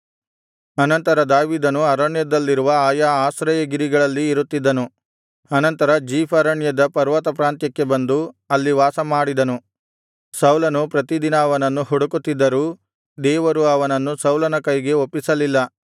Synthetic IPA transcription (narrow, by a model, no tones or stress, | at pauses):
ɐnɐnt̪ɐɾɐd̪aːʋiːd̪ɐnuɐɾɐɳjɐd̪ɐlːiɾuʋɐaːjaaːsɾɐjɐɡiɾiɡɐɭɐlːiːɾut̪ːid̪ːɐnu | ɐnɐnt̪ɐɾɐd͡ʒiːpʰɐɾɐɳjɐd̪ɐpɐɾʋɐt̪ɐpɾaːnt̪jɐkːe̞bɐnd̪uɐlːiʋaːsɐmaːɽid̪ɐnu | sɐwlɐnupɾɐt̪id̪inɐɐʋɐnɐnːuɦuɽukut̪ːid̪ːɐɾuː | d̪ɛːʋɐɾuɐʋɐnɐnːusɐwlɐnɐkɐjɡe̞opːisɐlilːɐ